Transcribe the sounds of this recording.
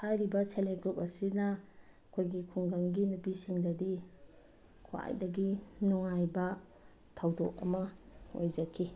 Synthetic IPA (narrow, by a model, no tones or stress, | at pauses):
hajɾibɐseleɡɾup̚ɐsinɐɐkʰojɡikʰuŋɡaŋɡinupisiŋdɐdi | kʰoa̰jdɐɡinuŋajbɐ | tʰawdok̚ɐ̰mɐo̰jd͡ʒɐkʰːi